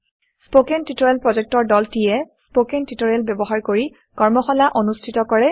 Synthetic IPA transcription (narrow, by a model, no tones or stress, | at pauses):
spokɛntitoɹɛlpɹɔzɛk̚tɔɹdɔltijɛspokɛntitoɹɛlbjɔbɔɦaɹkoɹi | kɔɹmɔxɔlaʔonustʰitɔkɔɹɛ